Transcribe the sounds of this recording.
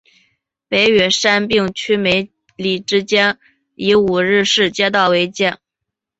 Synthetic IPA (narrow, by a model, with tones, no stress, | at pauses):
pe˧˥ɪɥɛ˨˩ʂa˥npi˥˧ŋt͡ɕʰy˥me˧˥ɪ | li˨˩ʈ͡ʂɻ̩˥t͡ɕjɛ˥n | i˧˥u˨˩ɻɻ̩˥˧ʂɻ̩˥˩t͡ɕjɛ˥t̪̬ɑ˥˩ʊwe˧˥ɪt͡ɕjɛ˥˩n